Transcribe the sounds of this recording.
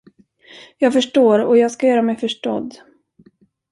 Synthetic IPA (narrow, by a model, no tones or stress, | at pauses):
jɑːɡfœʂʈoːɾɔjɑːɡskajœːɾamɛjfœʂʈɔ̰d̪ː